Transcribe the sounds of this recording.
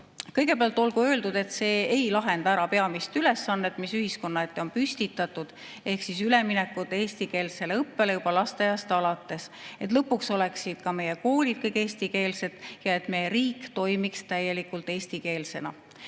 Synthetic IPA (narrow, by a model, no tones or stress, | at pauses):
kɤjɡ̥e̞peɑlt̪ːˑo̞lɡuø̞ːld̪ud̪̥e̞t̪se̞ːejlɑɦe̞nd̪ɑæɾɑpe̞ɑmist̪yle̞sːɑnːet̪ːˑmisyhisko̞nːɑe̞t̪ːˑeo̞npyst̪it̪ːˑɑt̪ːud̪̥ | e̞hksisyle̞minɛkːˑut̪ːˑeːsʲt̪ike̞ːlse̞le̞ɤpːe̞lejub̥ɑlɑst̪ejɑst̪ɑlɑt̪ːˑe̞se̞t̪ˑlɤpːˑukso̞le̞ksid̪̥kɑme̞jeko̞ːlʲid̪̥̚kɤjkeːst̪ike̞ːlse̞t̪ˑjɑe̞t̪me̞jeɾiːkːt̪o̞jmikst̪æje̞likːˑult̪ˑeːsʲt̪ike̞ːlse̞nɑ